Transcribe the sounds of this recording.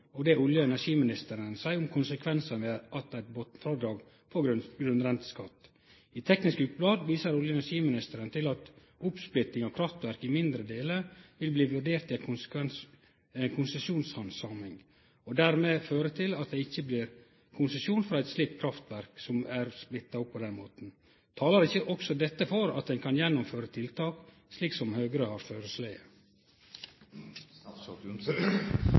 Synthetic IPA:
ɔd̪ɛʊljəɛnæʂiːmɪnɪst̪əɾənsæɪʊmkʰʊnsəkʰʋɛnsənʋeːɑt̪æɪt̪̚bot̪fɾɑd̪ɾɑːɡ | fʰɔɡɡɾʉnɾɛnt̪ə̥skɑt̪ː | it̪ʰɛknɪskʉːt̪̚blɑːd̪ʋiːsəɾʊljəɛnæʂiːmɪnɪst̪əɾənt̪ʰɪlɑt̪ | ʊpsplɪt̪nɪŋɔkʰɾɑft̪ʋæɾkɪmɪnd̪ɾəd̪eːləʋɪlbliːʋʉɖeːɾt̪ɪæɛn | ɛnkʰʊnsəsuːnshɑnsɑːmɪŋ | ɔd̪æɾmeːføːɾəʈ̪ʰɪlɑt̪̚d̪ɛɪçːəbliːɾ | kʰʊnsəsuːnfɾɑɛt̪sliːk̚t̪̚kʰɾɑft̪ʋæɾksɔmæɾsplɪt̪ːɑʊppʰːɔd̪ɛnmoːt̪n̩ | t̪ʰɑːlɑɾɪçːəʔɔksɔd̪ɛt̪ːəfɔɾɑ̰t̪̚d̪ɛnkʰɑnjɛnːʊmføːɾət̪ʰɪlt̪ʰɑːk | sliːksɔmhøːɡəɾəhɑɾføːɾəslæɪə

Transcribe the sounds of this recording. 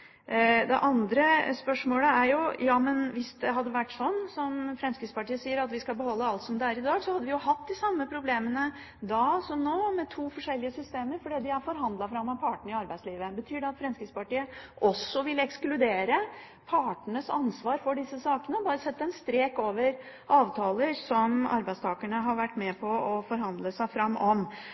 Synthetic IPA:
d̪ɛ̰ʔɑnd̪ɾəspœʂmoːləæɾjʊjɑːmənʋɪsd̪ɛɦɑd̪ːəʋæʈːsɔnːsɔmfɾɛnskɪspɑʈiːəsiːəɾɑt̪ʋɪskɑlbəhɔlːəɑlt̪sɔmd̪ɛæɾɪd̪ɑːɡsɔhɑd̪ːəʋɪjʊhɑt̪̚ːd̪ɪsɑmːəpʰɾʊbleːmənə | d̪ɑsɔmnoːmɛt̪ʰuːfɔʂɛlːɪəsʏst̪eːməɾfɔɖiːd̪ɪæɾfɔɾɦɑnd̪lɑfɾɑmːɑpʰɑːʈəɳ̩ɪɑɾbæɪsliːʋəbət̪ʰyːɖɛɑt̪fɾɛnskɪspɑʈiːəʔɔsːɔʋɪlɛksklʉd̪eːɾə | pʰɑʈɳəsɑnsʋɑːɾfɔɖɪsːəsɑːkənəɔbɑːɾəsɛt̪ːəɛnst̪ɾeːkoːʋəɾ | ʔɑːʋt̪ʰɑːləɾsɔmɑ̰ɾbæɪdst̪ʰɑːkəɳəɦɑɾʋæʈːmɛpʰɔɔfɔɾɦɑnd̪ləsæɪfɾɑmːɔm

